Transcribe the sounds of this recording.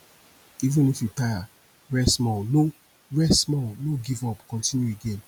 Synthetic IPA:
ivũnifjutaja | ɹɛsmɔno | ɹɛsmɔnoɡivɔpkɔ̃ntĩnjueɡẽn

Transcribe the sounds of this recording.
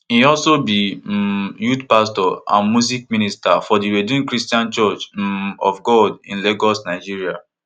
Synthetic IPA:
iɔlsobi | jutpastɔã̰nmusik̚mĩnistafɔdiɹedĩnkɹistiãnt͡ʃɔt͡ʃɔfɡɔdḭ̃nleɡɔsnaɪd͡ʒiɹia

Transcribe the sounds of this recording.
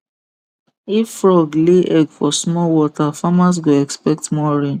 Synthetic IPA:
iffɾɔɡleʔɛɡfɔsmɔwɔtafamas̬ɡoɛkspɛk̚tmɔ̃ɾĩ

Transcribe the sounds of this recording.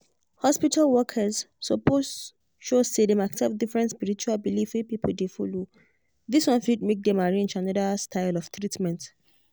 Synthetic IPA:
hɔspitʰalwɔkʰəz | sɔpos | ʃossedemaksɛp̚difɹɛ̃ntspiɹit͡ʃualbilifwipipʰl̩defɔ̰lo | ðiswɔ̃nfid̚mek̚dɛ̃maɹẽnd͡ʒanɔdəstʰaɪlɔftʰɹitmɛ̃nt

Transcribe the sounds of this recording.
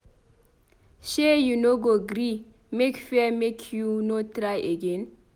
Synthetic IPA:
ʃejunoɡoɡɾi | mekfɛmekʰjunotɾajʔeɡen

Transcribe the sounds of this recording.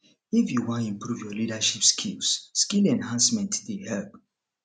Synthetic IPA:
ifjuwãnĩmpɹuvjɔlidaʃipskʰilsskilɛ̃nɦãnsmɛ̃ntdehɛlp

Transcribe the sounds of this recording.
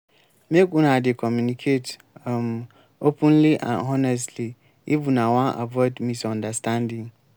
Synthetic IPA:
mekɔ̃nadɪkʰɔmjunikʰet | ãm | opʰə̃nliʔã̰nɔnɛs̬tʰli | ibunãwãnʔa̰vɔdmisɔ̃ndastʰãndɪ̃ŋ

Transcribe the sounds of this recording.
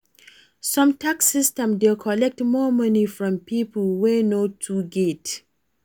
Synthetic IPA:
sɔ̃mtaksɪstɛ̃mdelkʰɔlɛk̚tmɔmʌnifɹɔ̃mpʰiplwenotʰuɡet

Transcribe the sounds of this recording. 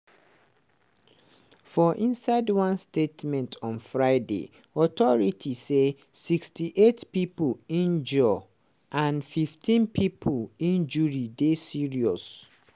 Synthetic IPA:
fɔʔĩnsaɪdwãnstetmɛ̃ntʰɔ̃nfɹaɪdḛ | ɔtɔɹitʰise | sikstiʔetpipoĩnd͡ʒɔ | ʔãnfiftʰĩnpʰipʰolĩnd͡ʒuɹidesiɹiɔs

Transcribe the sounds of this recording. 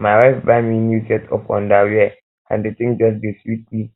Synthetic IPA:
mawafbaminusɛtʰɔ̰fɔ̰̃ndawiɛ | ã̰ndetĩŋd͡ʒɔs̬deswit̚li

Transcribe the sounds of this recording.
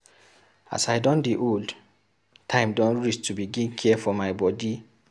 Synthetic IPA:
a̰saɪdɔ̃ndeʔold | tʰãɪ̃mdɔ̃nɹistubiɡĩnkʰiɛfɔmaɪbɔdi

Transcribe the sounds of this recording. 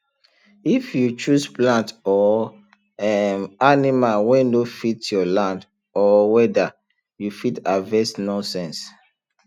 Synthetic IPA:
ifjut͡ʃusplãntɔ | ɛmanimalwɛ̃nofitjɔlãnd | ɔwɛda | jufitavɛsnɔ̃nsɛ̃ns

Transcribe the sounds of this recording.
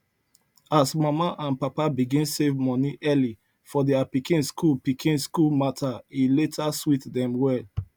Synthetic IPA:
asmamaʔãnpapabiɡĩnsevmɔniʔɛli | fɔdeapikĩnskulpikʰĩnskulmatʰailetʰaswitdɛ̃mwɛl

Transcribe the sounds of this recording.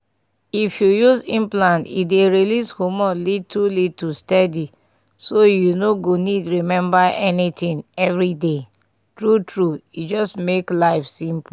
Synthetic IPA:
ifjujuzĩmplãntḭdeɹilishomɔlitulitustɛdi | sojunoɡonidɹimɛ̃mbaʔɛnit̪ĩŋɛvɹide | tɹutɹuid͡ʒɔstmeklaɪfsĩmp

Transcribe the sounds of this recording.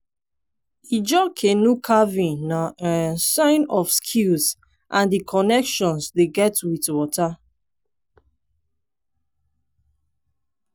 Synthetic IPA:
id͡ʒɔkʰenukʰavĩnnaasãɪ̃nɔfskʰilz | ʔãndikʰɔnɛkʃɔ̃nsdeɡɛtwiθwɔta

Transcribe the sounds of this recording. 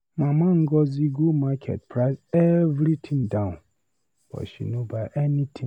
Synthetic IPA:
mãmãŋ̩ɡɔziɡomakʰɛ̰t̚pʰɾaɪsɛvɾitʰĩŋdãʊ̃n | b̥ɔ̰ʃḭnõbaʔɛnĩtʰĩ

